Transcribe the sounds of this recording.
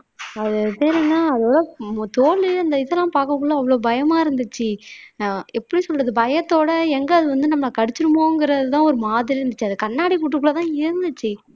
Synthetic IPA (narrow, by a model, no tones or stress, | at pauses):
ɐðɯpeːɾɪŋnaːɐðɐʋɭɐt̪oːlɯɐnd̪ɐɪðɛlːãːpaːkɐkːʊɭːoːɐʋːɐɭoːbɐjɐmaːɪɾɯnd̪ɯt͡ʃːɯ | ɛpːɐɽisɔlrɐðɯbɐjɐt̪ːoːɽɐɛŋɡɐɐðɯʋɐnd̪ɯnɐmːɐɭɐkɐɽɪt͡ʃːɯɾɯmoːŋɡɪɾɐðɯt̪ãːɔɾɯmaːðɪɾiɾɯnd̪ɯt͡ʃːɯɐðɯkɐɳːaːɽikuʈːɯkːɭːɐt̪ãːɪɾɯnd̪ɯt͡ʃːɯ